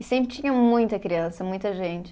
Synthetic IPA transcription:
ɪsẽmpɾɪt͡ʃĩɲɐ̃mũj̃t̪ɐkɾiɐ̃sɐmũj̃t̪ɐʒẽnt͡ʃɪ

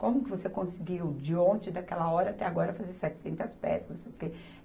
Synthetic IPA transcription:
kõmʊkɪvosekõsɪɡiwd͡ʒɪõnt͡ʃɪd̪ɐkɛlɐɔɾɐat̪ɛaɡɔɾɐfazesɛt͡ʃɪ̥sẽnt̪ɐspɛ̰skɐspoɾke

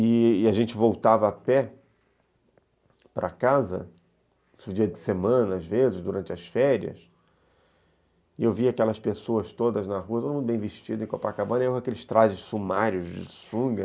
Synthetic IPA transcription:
ɪːaʒẽnt͡ʃɪvowt̪avɐːpɛ | pɾɐ̰kazɐ̰ | sʊd͡ʒiɐd͡ʒɪsemɐ̃nɐazvezɪʃd̪uɾɐ̃nt͡ʃɪɐsfɛɾiɐ̰s | ɪewviakɛlɐspesoɐst̪od̪ɐznɐɦuɐt̪od̪umũt̪ʊbẽj̃vɪʃt͡ʃid̪ʊẽkopakabɐ̃nɐoaɐkelɪʃt̪ɾazɪssumaɾjʊzd͡ʒɪ̰sũɡɐ

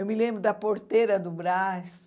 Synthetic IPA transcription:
ewmɪlẽmbɾʊd̪ɐpoɾt̪eɾɐd̪ʊbɾas

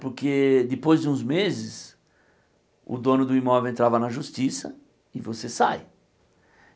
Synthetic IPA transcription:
poɾked̪ɪpojzd͡ʒɪũzmezɪs | ʊ̰d̪õnʊd̪ʊimɔvewẽnt̪ɾavɐnɐʒust͡ʃisɐ | ɪvosesaj

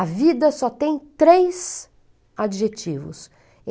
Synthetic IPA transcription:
ɐvid̪ɐsɔt̪ẽj̃t̪ɾejs | ad͡ʒiʒet͡ʃivʊ̰s

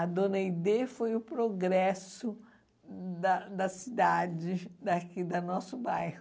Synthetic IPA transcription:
ɐd̪õnɐid̪efojʊpɾoɡɾɛsʊ | d̪ɐd̪ɐsid̪ad͡ʒɪd̪ɐkid̪ɐnɔsʊbajhʊ

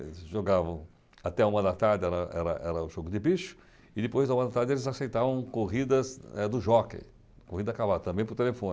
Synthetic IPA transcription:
ʒoɡavɐ̃w̃ | at̪ɛaũmɐ̃d̪at̪aɾd̪ɪɛɾɐʔɛ̰ɾɐ̰ʔɛɾɐʊʒoɡʊd̪ɪbiʃʊ̥ | ɪd̪ɪpojzd̪ɐũmɐ̃d̪at̪aɾdd͡ʒɪelɪzasejt̪avɐ̃w̃koɦid̪ɐzɛd̪ʊʒɔkḛ̃ | kohid̪ɐkabad̪ɐt̪ɐ̃mbẽj̃pʊɾt̪elefõn

